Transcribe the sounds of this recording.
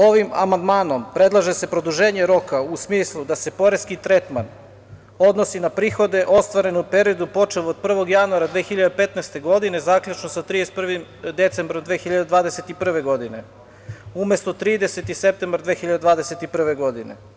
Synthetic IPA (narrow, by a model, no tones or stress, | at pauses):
o̞ʋima̰mand̪maːno̞mpɾe̞d̪lˠaʒese̞pɾo̞d̪uʒe̞ːɲe̞ɾo̞kausmiːslˠud̪ase̞po̞ɾeskit̪ɾe̞t̪man | o̞d̪no̞sinapɾiːxo̞d̪e̞ʔo̞st̪ʋaɾe̞nompe̞ɾio̞d̪upo̞t͡ʃeloːd̪̚pr̩ʋo̞ɡjanuaɾad̪ʋeːxiʎad̪epe̞t̪nɛst̪e̞ɡo̞d̪ine̞zaklʎut͡ʃnosat̪ɾiespr̩ʋimd̪e̞t̪se̞mbɾomd̪ʋeːxiʎad̪ed̪ʋaːd̪eset̪ipr̩ʋe̞ɡo̞d̪ine̞ | ume̞st̪o̞t̪ɾiːd̪eset̪ise̞p̚t̪embɾd̪ʋeːxiʎad̪ed̪ʋaːd̪e̞set̪ipr̩ʋe̞ɡo̞d̪ine̞̰